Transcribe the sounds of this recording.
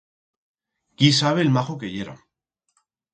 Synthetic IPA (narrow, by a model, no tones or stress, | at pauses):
kisaβ̞elmaxokejeɾa̰